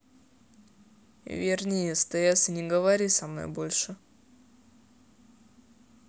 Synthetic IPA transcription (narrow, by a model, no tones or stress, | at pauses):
vʲɪrnʲejəst̪ɐjasʲɨnʲɪɡəvɐɾʲisɐmno̰jbo̞lʲʂɨ